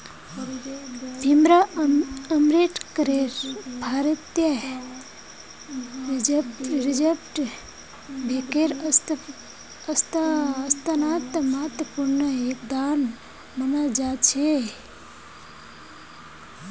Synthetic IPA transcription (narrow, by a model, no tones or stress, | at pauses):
d̪ʱimɾa | əmɾiʈkəɾeɾbʱaːɾət̪jə | ɾd͡ʒepʈɾid͡ʒepʈ | bʱekeɾ | əst̪ːst̪anat̪mɐɦət̪əpuɾnəek̚d̪an | mənəld͡ʒat͡ʃʰe